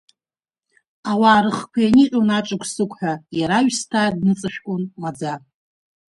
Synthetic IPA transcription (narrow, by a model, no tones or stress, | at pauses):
awaːɾɨχkʷʰajaniqʲʷʼonat͡ʃʼɨkʷʰʼsɨkʷʰʼħʷᶣajaɾaɥstʰaːdnɨt͡sʼɨʃᶣkʷʼʊnmad͡za